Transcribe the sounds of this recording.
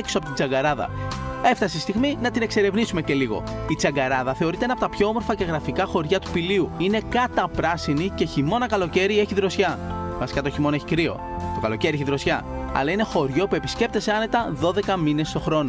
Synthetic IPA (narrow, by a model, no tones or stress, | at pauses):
eksoɐpt̪id͡zɐŋɡɐɾɐðɐ̰e̞ft̪ɐseist̪iɣminɐt̪ine̞kse̞ɾe̞vnisume̞ce̞liɣo̞̰it͡sɐɡɐɾɐðɐθe̞o̞ɾit̪enɐpo̞t̪ɐpço̞omoɾfɐce̞ɣɾɐfikɐxo̞ɾʝɐt̪u̥piliuine̞kɐt̪ɐpɾɐsinice̞çimo̞nɐkɐlo̞ce̞ɾie̞çiðɾo̞sçɐmɐsi̥kɐt̪o̞çimo̞ne̞çikɾio̞̰ | t̪okɐloceɾieçiðɾo̞sçɐɐ̰lɐine̞xo̞ɾʝo̞pue̞pi̥sce̞p̚t̪e̞se̞ɐne̞t̪ɐðo̞ðe̞kɐmine̞st̪o̞xɾo̞no̞